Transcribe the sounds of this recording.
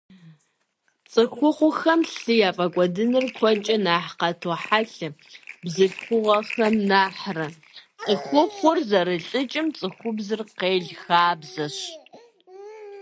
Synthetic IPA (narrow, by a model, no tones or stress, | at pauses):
t͡sʼɨxʷʊχʷʊxɐmɬɨjaːpʼɐkʷʼɔdɨnɨrkʷʰɔt͡ʃʼɐnaːħqɐtʰoːħaɬɨbzɨɬxʷʊʁɐxɐmnaːħrɐ | t͡sʼɨxʷʊχʷʊrzɐɾɨɬʼɨt͡ʃʼɪmt͡sʼɨxʷʊbzɨrqeːɮxaːbzɐɕ